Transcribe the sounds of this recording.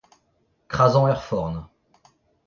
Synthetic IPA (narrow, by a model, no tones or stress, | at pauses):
kχazɑ̃œʁfɔʁn